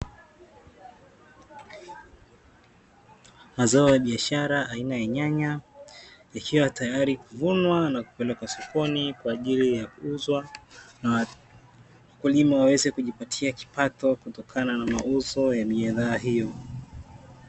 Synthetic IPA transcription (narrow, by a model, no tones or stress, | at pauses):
mazaɔjaɓiaʃaɾaʔainajaɲaɲa | ikʰiwatajaɾikuvunwanaku̥pɛlɛkwasɔkʰɔnikwaːʄilijakuuzwan | wakulimawawɛzɛkuʄipatʰiaki̥patɔkutɔkʰananamauzɔjamiaðaːɦijɔ